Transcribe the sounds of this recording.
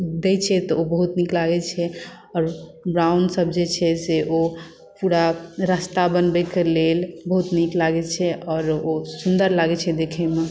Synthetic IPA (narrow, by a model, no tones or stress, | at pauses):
d̪ɛt͡ʃʰɛt̪ɔobəɦut̪niklaɡɛt͡ʃʰɛ | ɔːɾbɾawnɖsəbd͡ʒet͡ʃʰɛseʔo | puɾaɾast̪abənbɛkelelbəɦut̪niklaɡɛt͡ʃʰɛɔːɾosund̪əɾlaɡɛt͡ʃʰɛd̪ekʰɛme